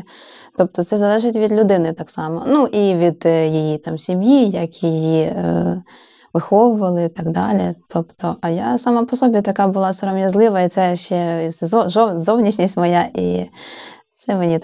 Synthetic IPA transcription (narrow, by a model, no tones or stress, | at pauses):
t̪ɔp̚t̪ɔt̪sɛzɐlˠɛʒɪtʲʋʲid̪lʲʊd̪ɪnɪt̪ɑksɑmɔnuʔiʋʲid̪jɪjit̪ɑmsʲimjijɐkjɪji | ʋɪxɔʋʊʋɐlˠɪt̪ɑɡd̪ɑlʲit̪ʰɔpt̪ɔʔɐjasɑmapɔsɔbʲit̪ɐkɑbʊlˠɑsɐɾɔmjɐzlˠɪʋɐit̪sɛʃt͡ʃɛzɔʒɔzɔwnʲit͡ʃnʲisʲtʲmɔjaʔi | t̪sɛmenʲit̪